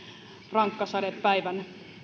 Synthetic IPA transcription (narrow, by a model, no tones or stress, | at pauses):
rɑŋkːɑsɑdeppæiʋæn